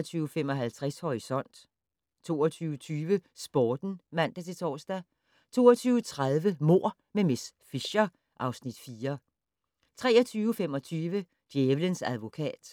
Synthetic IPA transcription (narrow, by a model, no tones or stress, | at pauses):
t͡sʰyːʊfem̰ɒ̽ɦælt͡sʰʁashɒʁisɒ̽n̰d̥ | t͡sʰo̝̰ːɒt͡sʰyːʊt͡sʰyːʋəsb̥ɒːd̥n̩mæn̰d̥æt͡sʰe̝t͡sʰɒ̰ːsd̥æ | t͡sʰo̝ːɒt͡sʰyːʊət͡sʰʁað̞ˠʋəmo̝ɐ̰ | memes | fiɕɐ | ʔɑ̈ʊsnid̥fiːɐ | t͡sʰʁɛːɐt͡sʰyːʊfem̰ɒ̽t͡sʰyːʋə | d̥jeːʋlənsæð̞ˠʋo̝kʰɛ̰ːd̥